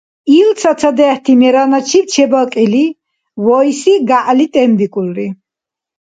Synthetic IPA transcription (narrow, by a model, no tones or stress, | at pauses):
ilt̪sʰat̪sʰad̪ɛht̪ʰimɛɾanat͡ʃʰipt͡ʃʰɛbakʼili | vɔisiɡaʔlit̪ʼɛmbikʼulɾi